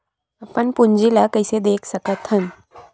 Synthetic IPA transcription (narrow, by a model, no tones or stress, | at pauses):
apəɳpuɲd͡ʒilakəjsed̪eːkʰsəkət̪ɦən